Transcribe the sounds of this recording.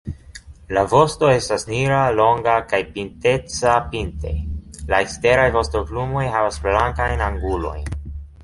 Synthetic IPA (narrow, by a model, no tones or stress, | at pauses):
lavo̞sto̞e̞stasniɾalo̞ŋɡakajpinte̞t͡sapinte̞̰laekste̞ɾajvo̞stoklumo̞jɦavasblaŋkajnaŋɡulo̞̰jn